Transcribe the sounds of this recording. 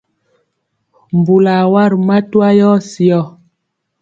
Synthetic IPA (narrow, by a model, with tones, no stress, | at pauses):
m˨bu˨la˨wa˦˨ɾma˦twa˦jɔ˦si˨ɔ˦˨